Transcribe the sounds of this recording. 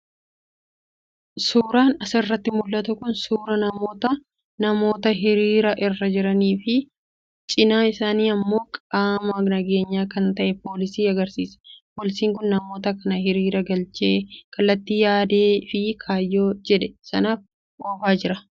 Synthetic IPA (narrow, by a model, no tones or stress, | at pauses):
suːɾaːnɐsɐrːɐt̪ːɪmʊlːɐt̪ʊkʊnsuːɾɐnɐmo̞ːt̪ɐ | nɐmo̞ːt̪ɐɦɪɾiːɾɐʔɪrːɐd͡ʒɪɾɐniːfɪ | t͡ʃʼɪnaːɪsaːniːɐmːo̞ːkʼaːmɐnɐɡe̞ːɲːaːkɐnt̪ɐʔɛpo̞ːlɪsiːɐɡɐɾsiːsɐ̥poːlɪsiːŋkʊnːɐmo̞ːt̪ɐkɐnɐɦɪɾiːɾɐɡɐlt͡ʃʼeːkʰɐlːɐt̪ːiːjaːd̪eːfɪkʰaːjːoːd͡ʒɛᶑɛ̥sɐ̰naːf | ʔoːfaːd͡ʒɪɾɐ